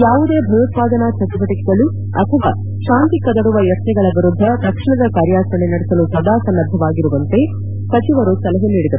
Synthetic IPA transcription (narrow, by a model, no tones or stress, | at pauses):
jaːʋud̪e̞ːbʱɐjut̪̚paːd̪ɐnɐt͡ʃɐt̪ibɐʈikid̪ɐlu | ɐ̰t̪ʰɐʋa̰ː | ʃaːnt̪ikɐd̪ɐɽuʋɐjɐt̪nɛɡɐɭɐʋiɾud̪ʱːɐt̪ɐkʂɐɳɐd̪ɐkaːɾjaːsɐɳenɐɽesɐlusɐd̪aːsɐnːɐd̪ʱːɐʋaːɡiɾuʋɐnt̪e̞ | sɐt͡ʃiʋɐɾusɐlɐɦeniːɽid̪ɐɾu